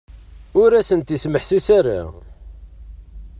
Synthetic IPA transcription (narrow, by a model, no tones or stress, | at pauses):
ʊɾæsənt̪isməħsisæɾa̰